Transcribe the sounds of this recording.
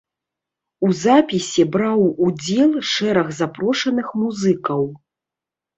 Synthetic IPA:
uzapʲisʲibɾawud͡zʲɛlˠʂɛɾɐɣzapɾɔʂɐnɨxmuzɨkɐw

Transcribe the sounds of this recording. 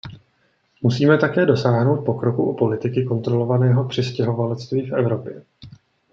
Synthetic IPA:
musiːmɛt̪akɛːdo̞saːɦno̞wt̪̚po̞kɾo̞kuʔupo̞lɪt̪ɪkɪko̞nt̪ɾo̞lo̞vanɛːɦo̞pr̝̥ɪscɛɦo̞valɛt͡st̪viːfʔɛvɾo̞pjɛ

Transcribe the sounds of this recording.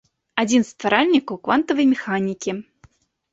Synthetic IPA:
ad͡zʲinst̪vaɾalʲnʲikɐwkvant̪ɐvɐjmʲɛxanʲikʲi

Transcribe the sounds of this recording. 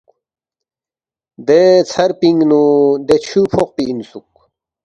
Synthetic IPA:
d̪et͡sʰɐɾpiŋɡnud̪et͡ɕʰupʰoq̚piːnsuk̚

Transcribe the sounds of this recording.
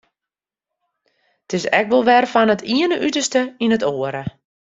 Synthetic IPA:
tɪsɛ̰k̚ʋɔlˠʋɛrfɔnətʰiənəʔytərstəinətoːəɾə

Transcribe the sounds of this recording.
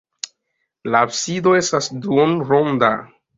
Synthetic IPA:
laːbsido̞e̞stasduonɾonda

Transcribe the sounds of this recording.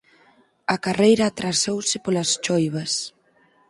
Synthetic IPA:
ɐkarejɾɐːt̪ɾasowsɪpolɐst͡ʃojβɐs

